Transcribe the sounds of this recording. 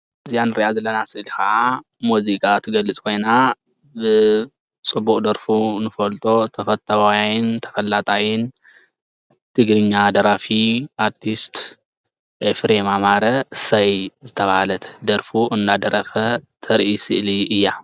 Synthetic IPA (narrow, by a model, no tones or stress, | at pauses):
ʔɨzijanɨɾiʔazɐlːɐnasɨʔlikɐʔa | muzikʼat̪ʰɨɡɐlɨt͡sʼkʰo̞jna | bɨ | t͡sʼɨbːukʼd̪ɐɾfunɨfɐlt̪ʼo̞t̪ʰɐfɐt̪ʰʼːɐwajajɪnt̪ʰɐ̥fɐlːat̪ʼajɪn | t̪ʰɨɡɾɨɲːad̪ɐɾafiʔaɾt̪ʰist̪ | ʔefɾemamaɾɐsɐjzɨt̪ʰɐβahalɐt̪ʰd̪ɐɾfuʔɨnːad̪ɐɾɐfɐt̪ʰɐɾʔisɨʔliɨjːa